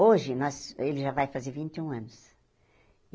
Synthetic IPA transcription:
oʒɪnɔzelɪʒavajfazeɾvĩnt͡ʃ̪ɪũɐ̃nʊs

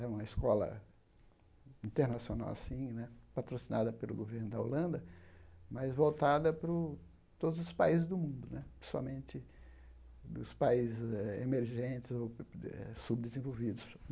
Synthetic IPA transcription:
ɛũmɐiskɔlɐ̰ | ĩnt̪eɾnasiona̰wa̰sĩnɛpat̪ɾosinad̪ɐpelʊɡoveɾnʊd̪ɐo̰lɐ̃nd̪ɐmɐzvowt̪ad̪ɐpɾʊ | t̪od̪ʊzʊspaizɪzd̪ʊmũnd̪ʊnɛpɾe̥sa̰wmẽnt͡ʃ̪ɪ | ʊspaizzɪzɛemeɾʒẽt͡ʃɪzoɛ̰sub̚d̪ezẽvowvid̪ʊs

